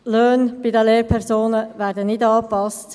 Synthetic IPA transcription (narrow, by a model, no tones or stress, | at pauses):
løːnb̥idəleːɾpʰɛɾsoːnəvæːɾdənɪdɑːpɑst